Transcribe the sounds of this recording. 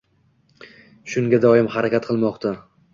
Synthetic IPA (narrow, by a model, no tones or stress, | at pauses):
ʃʊŋɡʲad̪ɒɪmhaɾakʲat̪qʰɨlˠmɒqt̪ʰa